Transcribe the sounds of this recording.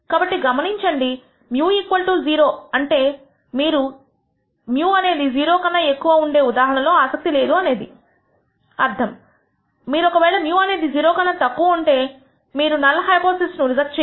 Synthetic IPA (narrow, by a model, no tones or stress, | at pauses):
kaːbɐʈːiɡɐmɐniɲt͡ʃɐɳɖi | mjuːiːkʋɐlʈulziːɾo̞ːɐɳʈe̞ː | miːɾu | mjuːɐne̞ːd̪id͡ʒiːɾo̞ːkɐnːɐekːuʋɐːuɳɖe̞ːud̪aːɦɐɳɐlo̞ːaːsɐk̚t̪ile̞ːd̪uɐne̞ːd̪i | ɐɾt̪ʰɐmː | iːɾuɔkɐʋɛːɭɐmjuːɐne̞ːd̪id͡ʒiːɾoːkɐnːɐt̪ɐkːuʋɐuɳʈe̞ː | miːɾunɐlːɐɦɐjpoːsisnuɾizɐk̚st͡ʃː